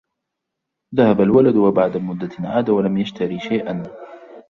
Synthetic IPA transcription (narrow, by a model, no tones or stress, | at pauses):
ðahabalwalad̪wabaʕd̪amʊd̪ːanʕaːd̪awalamjaʃt̪aɾiːʃajʔan